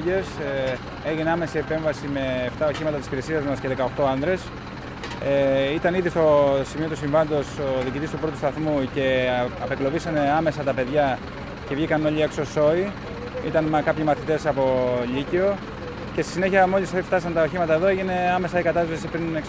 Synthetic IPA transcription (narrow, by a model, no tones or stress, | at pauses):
es | e̞ʝineɐme̞siepe̞ɱvɐsime̞ːft̪ɐoçimɐt̪ɐt̪isipiɾesiɐzmɐsceðe̞kɐoxt̪o̞ɐnðɾe̞s | eit̪ɐniðist̪o̞simiot̪usiɱvɐnd̪o̞soðiːcit̪ist̪upɾo̞t̪ust̪ɐθmuce̞ɐpeklo̞visɐne̞ɐme̞sɐt̪ɐpe̞ðʝɐ | ce̞vʝikɐno̞ʎie̞kso̞so̞i | it̪ɐnmkɐpçimɐθit̪e̞sɐpo̞ʎicio̞ | ce̞st̪isine̞çiɐmo̞lisft̪ɐsɐnt̪ɐo̞çimɐt̪ɐe̞ðoeʝine̞ɐme̞sɐikɐt̪ɐssesipɾineks